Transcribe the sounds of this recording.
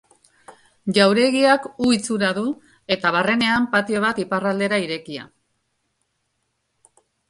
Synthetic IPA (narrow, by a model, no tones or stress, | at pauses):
ʝawɾe̞ɣiakuit͡suɾaðu | e̞t̪aβ̞are̞ne̞ampat̪ioβ̞at̪iparald̪e̞ɾaiɾe̞kia̰